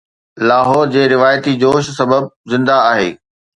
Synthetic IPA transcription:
laːɦɔːɾd͡ʑeːɾɪʋaːjət̪id͡ʑoːʃsɐbəb̚zɪ̃nd̪aaːɦḛː

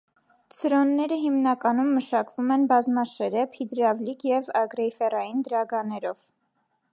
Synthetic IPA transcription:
t͡sʰəɾɔnːɛɾəɦimnɑkɑnumːəʃɑkvumɛnbɑzmɑʃɛɾɛpʰid̪ɾɑvlikjɛvɑɡɾɛjfɛrɑjind̪əɾɑɡɑnɛɾɔv̥

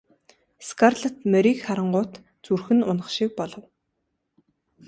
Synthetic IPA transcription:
skʰarɮə̆t̪mœɾikχaɾə̆ɴɢʊːt̪ | t͡surxɘ̆nʊnə̆χʃik̚pɔɮɞ̆w

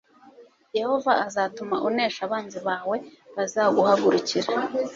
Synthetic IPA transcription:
je̞ho̞vaazaːtumaʔuneːʃaβaːnziβaːwe̞βazaɡuhaɡuɾuciɾa

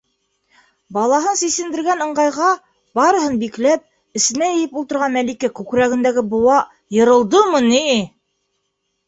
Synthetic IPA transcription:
bɑlˠɑɦɤnsisɘ̆nd̪ɘ̆ɾɡænɤ̆ɴɢɑjʁɑ | bɑɾɤ̆ɦɤnbiklæp̚ | ɘ̆sɘ̆næjɘ̆jɘpulˠt̪ɤ̆ɾʁɑnmælikækʉkɾæɡɘ̆nd̪æɡɘbŏwɑ | jɤ̆ɾɤ̆lˠd̪ɤmɤni

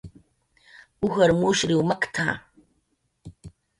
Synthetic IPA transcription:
uxɐrmuːʃriwmɐkʰtʰa̰ː

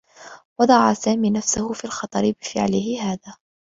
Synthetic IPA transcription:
wɑd̪ˤɑʕasaːmiːnafsahʊfiːlxɑt̪ˤɑɾɪbɪfɪ̰ʕlɪhɪɦaːðaː

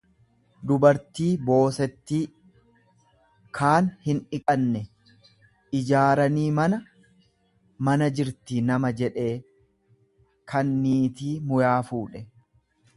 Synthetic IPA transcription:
d̪ʊbɐɾt̪iːbo̞ːsɛt̪ːiː | kʰaːnhɪnɪkʼɐnːɛ | ʔɪd͡ʒaːɾɐniːmɐnɐ | mɐnɐd͡ʒɪɾt̪inɐmɐd͡ʒɛᶑe̞ː | kʰɐnːiːt̪iːmʊjaːfuːᶑɛ

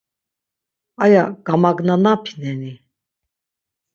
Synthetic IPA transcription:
ajaɡ̥amaɡnanapʰi̥nɛni

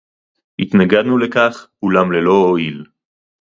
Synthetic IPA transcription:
it̪naɡad̪nulekaχkulamlelo̞oil

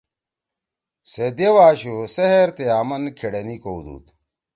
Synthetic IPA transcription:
sed̪ewaːɕuseɦeɾt̪eaːmɐnkʰeɽɐnikowd̪ṵːt̪

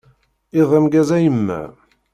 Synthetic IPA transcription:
ɪðˤəmɡæzæjəmːæ̰

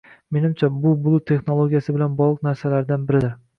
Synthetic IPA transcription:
me̞nɪmt͡ʃʰabʊbʊlˠut̪ʰe̞χnolˠoɡʲijasɪbɪlanbɒʁlˠɨq̚naɾsalaɾd̪anbɪɾɪd̪ɪɾ

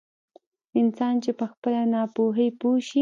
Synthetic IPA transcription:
ɪnsɑnt͡ʃepəxpəlanɑpoɦəjpoʃi

